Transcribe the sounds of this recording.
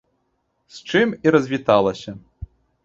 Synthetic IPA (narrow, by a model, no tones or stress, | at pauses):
st͡ʂɨmiɾɐzʲvʲit̪alˠɐsʲɐ